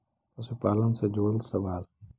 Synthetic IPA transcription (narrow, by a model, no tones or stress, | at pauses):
t̪ɐsupaːlɐnsed͡ʒoːlsɐʋaːl